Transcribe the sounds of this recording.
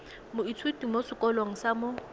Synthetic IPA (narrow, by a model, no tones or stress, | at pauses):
mʊit͡sʰwutimosɪkʼɔlwaŋ̩samʊ